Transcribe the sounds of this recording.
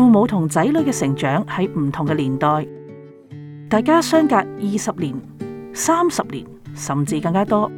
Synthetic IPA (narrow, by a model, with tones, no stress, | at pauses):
u˧mo˨˧wt̪ʰʊ˨˩ŋt͡sɐ˨˥jlɵ˨˧˥kɛː˧sɪ˨˩ŋt͡ʃœː˨˥ŋhɐ˨˥jm̩˨˩t̪ʰʊ˨ŋkɛ˧liː˨˩nt̪ɔː˨j | t̪aː˨jkaː˥sœː˥ŋkaː˧k̚jiː˨sɐ˨p̚liː˨˩n | saː˥msɐ˨p̚lḭː˨˩nsɐ˨mt͡siː˧kɐ˧ŋkaː˥t̪ɔː˥